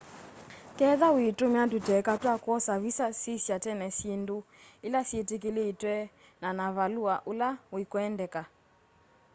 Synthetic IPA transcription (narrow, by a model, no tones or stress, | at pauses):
kɛðawitumɛatutɛkatwakwɔsaβisasisjatɛnɛsindu | ilasjetik̬ileːtwɛ | nanaβaluaʔulawikɔɛndɛka